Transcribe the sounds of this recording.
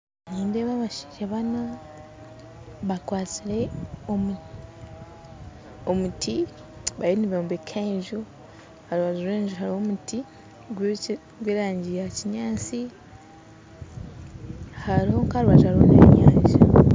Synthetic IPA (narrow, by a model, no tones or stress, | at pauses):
niːndeβaβaʃi̥ʒaβana | βakwaːt͡siɾe̞om | omutʰi | βajiniβoːmbekʰaɲʒu | haɾβazuɾeːɲʒuɦaɾihomuti | ɡw | ɡweːɾaːɲɟijaciɲaːt͡si | haɾiho̞ŋkaɾuβazaɾwa̰nḛɲaːɲʒa